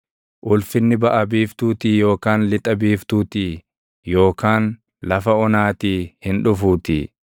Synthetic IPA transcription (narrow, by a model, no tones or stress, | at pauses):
ʔʊlfɪnːɪbɐʔɐbiːft̪uːt̪iːjo̞ːkaːnlɪt̪ʼɐbiːft̪uːt̪iː | jo̞ːkaːn | lɐfɐɔnaːt̪iːhɪnᶑʊfuːt̪iː